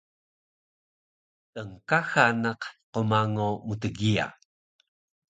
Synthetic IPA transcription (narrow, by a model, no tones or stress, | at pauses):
ʔəŋkaxanaqqumaŋomutəɡia̰